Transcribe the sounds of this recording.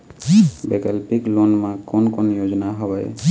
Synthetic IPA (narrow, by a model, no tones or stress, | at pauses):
bɛkalpiklonmãkɔnkɔnjod͡ʒɔnaɦɔwaj